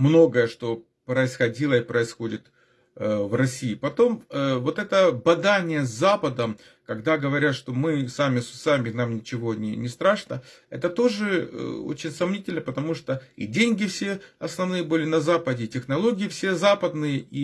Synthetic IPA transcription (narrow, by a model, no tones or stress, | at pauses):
mno̞ɡəjəʂt̪o̞ | pɾəɪsxɐdʲilˠəipɾəɪsxo̞dʲɪt̪ | vrɐsʲiːpɐt̪o̞mvo̞t̪ɛt̪əbɐd̪anʲɪjəzʲːapəd̪əm | kɐɡd̪aɡəvɐɾʲat̪ʂt̪o̞mɨsamʲɪsʊ̥samʲɪnamnʲɪt͡ɕɪvo̞nʲɪ̰nʲɪst̪ɾaʂnə | ɛ̰t̪ət̪o̞ʐɨ̰o̰t͡ɕɪnʲsɐmnʲitʲɪlʲnəpət̪ɐmuʂt̪oḭdʲenʲɡʲɪfsʲe̞ɐsnɐvnɨjəbɨlʲɪnɐzapədʲɪːtʲɪxnɐlˠo̞ɡʲɪɪfsʲezapəd̪nɨjəʔi